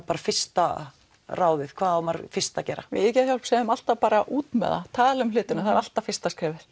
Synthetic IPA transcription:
paːɾafɪ̥st̪a | raːwðɪ̥kʰv̥aːðamaɾfɪ̥st̪acɛːɾa̰ɪ̰ɛcɛθçjawl̥psɛʏmal̥t̪apaːɾaʔuːt̪mɛ̰ða̰t̪ʰaːðalʏmlɪːt̪ɪnʏθaðɾal̥t̪afɪrst̪askɾɪːvɪθ

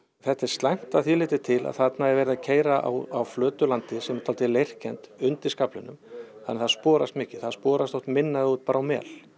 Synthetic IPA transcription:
θɛht̪ɛɾ̥st̪lajm̥t̪aθiːlɪːt̪ɪt̪ʰɪla̰ðθat̪naɛɾvɛːɾɪðacʰeːjɾaʔa̰wawflœːt̪ʏlant̪ɪsɛmɛ̥t̪ʰaːlt̪ɪlejr̥cɛnt̪ʏnt̪ɪskaplɪnːʏ̰mθanːɛθaðspɔːɾast̪mɪːcɪ̥θaðspɔːɾast̪owht̪mɪnːaðɪuːt̪̚paːɾawmɛ̰ːl̥

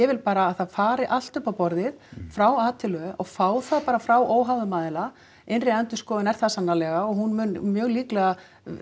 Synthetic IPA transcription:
ɛvɪlpaːɾaːðθaðfaːɾɪʔal̥t̪ʏpːawpɔɾðɪðfɾawaːt̪ʰɪlʏɔɣfaːwθaðpaːɾafɾawʔoːwɦavʏmaːðɪla | enrɪɛnt̪ʏskɔːðɪnɛɾ̥θaðsanːalɛɣaɔɣɦunmʏnmjœːɣliːklɛɣa

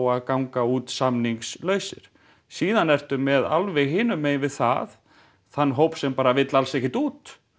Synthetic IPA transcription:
waðkawŋkauːt̪samniŋkslœːɥsɪ̰ɾ̥ | siːðanɛr̥t̪ʏmːɛða̰lvɛɣɦɪːnʏmejnvɪðθa̰ð | θanːɦowpsɛmpaːɾavɪt̪lalsɛhcːɪt̪uːt̪

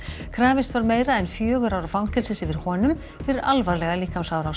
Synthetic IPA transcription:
kʰɾaːvɪst̪vaɾmeːjɾaɛnfjœːɣʏɾaːwɾafawnŋt̪ɪɾsɪsɪvɪɾ̥hɔːnʏm | fɪɾɪɾalvaɾlɛɣaliːkamsaːwɾaws

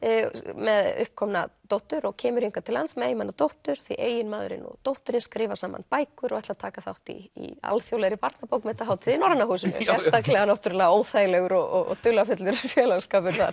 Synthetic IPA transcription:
mɛðʏ̰hp̚kʰɔmnat̪owht̪ʏɾɔɣcʰɛːmʏɾ̥hiŋkat̪ʰɪlːant̪smɛjmanːat̪owht̪ʏɾ̥θiʔḛːjɪnmaːðʏ̰ɾɪ̰nɔ̰t̪owht̪ʏɾɪnskɾɪːvasaːma̰npaːjkʏɾʔɔɣɛht̪lat̪ʰaːkaθa̰wht̪ḭḭa̰lθjowlɛɾɪpaɾt̪napowkmɛt̪aɦaːwt̪ʰɪðinɔɾnahuːsɪnɪ̰sjɛst̪aklɛɣanawht̪ʏɾʏlɛːɣaoːwθajlɛɣʏɾɔɣɔɣ̰t̪ʏlafʏt̪lʏɾfjɛːlɛɣskaːpʏɾ̥θa̰ɾ̥

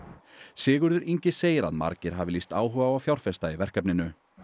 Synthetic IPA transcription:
sɪːɣʏɾðʏɾiɲcɪseːjɪɾa̰ðma̰ɾcɪɾ̥ɦaːvɪlist̪aːwɦœːvawawfjawɾ̥fɛst̪aivɛr̥kɛpnɪnʏ

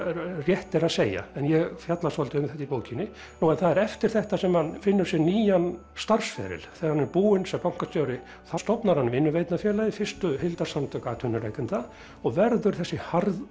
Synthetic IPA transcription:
rjɛht̪ɛɾaðseːja̰ɛnjɛɣfjat̪lasɔlt̪ɪʏmθɛht̪ipoːwcʰinɪ | nuwɛnθaðɛɾɛft̪ɪɾ̥θɛht̪asɛmhanfɪnːʏɾ̥sjɛɾniːjan | st̪ar̥sfɛ̰ːɾɪ̰lθɛaɾhanːɛɾpuːɪnsɛmpawŋ̥kast̪joːwɾɪ | θast̪ɔpnaɾhanːʏmɪnːʏvejt̪nafjɛːlaifɪ̥st̪ʏhɪlt̪asamt̪ʰœkat̪ʰʏnːʏlḛːjkʏnt̪a | ɔɣvɛɾðʏɾ̥θɛsːɪhaɾð

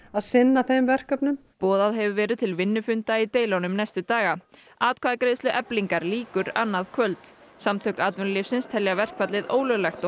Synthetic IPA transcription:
aðsɪnːaθejmvɛr̥kœpnʏmpɔːðaðɦɛvʏvɛːɾɪðt̪ʰɪlvɪnːʏfʏnt̪ait̪eːjlownʏmnɛjst̪ʏt̪aːɣa | aːt̪̚kʰvaːðakɾeːjðsʏʔɛpliŋkaɾliːkʏɾa̰nːaðkʰvœlt̪ | samt̪ʰœːkaːt̪vɛnlɪfsɪnst̪ʰɛljavɛr̥kvat̪lɪðoːwlʏlɛxt̪ɔ

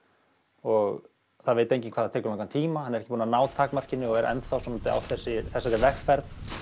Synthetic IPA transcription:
ɔɣ | θaðveːjt̪ejɲcɪnŋkʰvaːðat̪ʰɛːkʏɾlãŋkant̪ʰiːmahanɛɾɛhcɪpuːnanaːwt̪ʰaːkmar̥cɪnːʏɔɣɛɾʔɛ̰nt̪fawsɔmat̪ɪa̰wθɛsːɪθɛsat̪ɛɾvɛxfɛɾθ

